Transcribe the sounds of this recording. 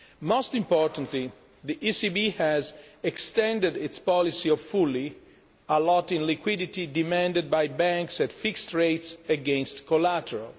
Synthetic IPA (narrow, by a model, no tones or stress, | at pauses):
mostĩmpɔɹt̪ə̃ntli | ðiʔisibihɛzɛkst̪ɛ̃ndədit̪spɔlisiɔvfuli | əlɔtĩnlikwidit̪idimɛ̃ndəd̪̚bajbæ̃ŋksɛtfikstɹeɪtsəɡɛ̃nst̪kolætəɹa̰l